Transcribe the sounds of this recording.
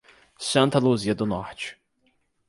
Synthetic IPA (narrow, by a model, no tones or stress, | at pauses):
sɐ̃nt̪ɐluziɐd̪ʊnɔɾt͡ʃɪ̥